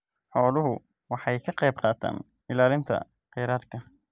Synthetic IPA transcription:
ħɔːlʊɦʊ | wɑħɑjkʰɐqɑjb̚qɑːt̪ʰa̰ːn | ɪlaːlɪnt̪ʰɐ̰ | qɛːɾaːd̪kʰɐ

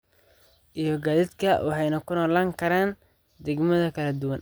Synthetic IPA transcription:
ʔijɞɡaːðɪd̪kʰɐwɑħɑjnɐkʰʊnɔːlaːŋkʰɐɾaːn | d̪ɛɡmɐðɐkʰɐlɐd̪ʊwɐn

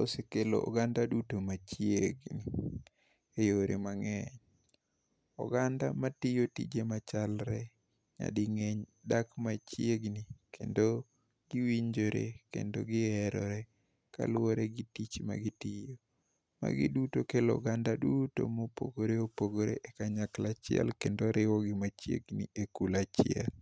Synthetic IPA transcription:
osekelo̰ɔ̰ɡandadutomat͡ʃjeɡni | ejoɾemaŋɛɲ | ɔ̰ɡandamatijotḭd͡ʒemat͡ʃalɾɛ | ɲa̰dɪŋɛɲdakmat͡ʃjeɡnikʰendo | ɡ̥ɪwiɲd͡ʒoɾḛkḛndo̰ɡɪɛɾɔɾɛ | ka̰lwoɾeɡɪtit͡ʃma̰ɡɪtijo | ma̰ɡɪ̰dutokelɔ̰ɡandaduto̰mopo̰ɡoɾeopoɡoɾḛʔekaɲaklat͡ʃɪɛ̰lkendoɾɪwɔɡɪmat͡ʃjeɡnḭekulat͡ʃɪɛl

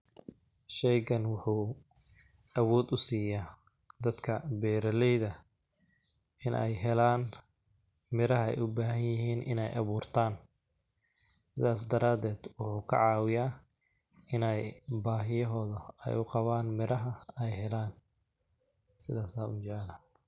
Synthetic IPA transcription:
ʃɛjɡɐnwʊħuː | ʔɐwɔːd̪ʊsiːjaː | d̪ɐd̪kʰɐbɛːɾɐlɛjðɐ | ʔɪnʔɛ̰jɦɛlaːn | mɪɾɐɦɐɛ̰jʔʊbaːɦɐnjɪɦiːnɪ̰nɛjʔɐβuːrt̪ʰaːn | sɪðaːs̬d̪ɐɾaːd̪ɛːd̪wʊħuːkʰɐ̰ʕɑːwɪjaː | ɪnɛjbaːɦɪjɐɦɔːðɐɛ̰jʊqɑβaːnmɪɾɐɦɐɛjɦɛlaːn | sɪðaːsaːʊt͡ʃɛlɐ

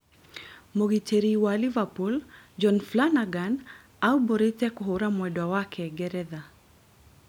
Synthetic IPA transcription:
moɡiteɾiwalivapuld͡ʒɔnflanaɡan | aubɔɾitɛkuɦuɾamwɛdwawakʰɛɡɛɾɛða

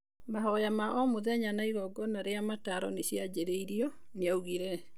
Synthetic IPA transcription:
maɦɔjamaʔɔmoðɛɲanaiɣɔɡɔnaɾeamataɾɔ̰neɕjad͡ʑeɾeiɾiɔ | neauɣiɾɛ

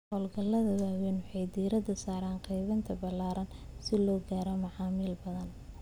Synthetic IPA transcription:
hɔːlɡɐlːɐðɐwaːwɛnwʊħɑjd̪iːɾɐd̪ɐsaːɾaːnqɛjβɐnt̪ʰɐbɐlaːɾʔɐn | sɪlɔːɡaːɾɔmɐʕɑːmiːlbɐðɐn

